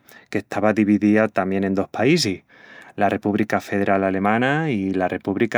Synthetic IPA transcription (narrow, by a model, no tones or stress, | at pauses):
ke̞ht̪ʰaβaðiβiðiat̪amjẽ̞ne̞nd̪o̞hpais̬ih | lare̞puβlikafe̞ð̞e̞ɾalale̞mãnailare̞puβlik